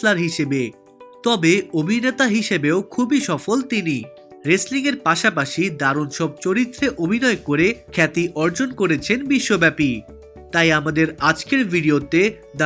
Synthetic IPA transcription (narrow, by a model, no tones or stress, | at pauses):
laɾɦiʃebe | t̪ɔbeobʱinet̪aɦiʃebeokʰubiʃɔfolt̪ini | ɾesliŋeɾpaʃapaʃid̪aɾonʃɔb̚t͡ɕoɾit̪ːɾeʔobʱinɔekoɾekʰɛt̪iʔɔɾd͡ʑonkoɾet͡ɕʰenbiʃːobɛpi | t̪ajamad̪eɾad͡ʑkeɾbʱiɖiot̪e | d̪